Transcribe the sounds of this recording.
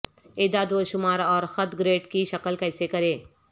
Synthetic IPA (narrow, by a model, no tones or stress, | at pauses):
eːd̪ad̪ʋoʃʊmaːɾɔːɾxɐt̪ɡɾeːʈkiʃɐkəlkɛɪsekɐɾẽː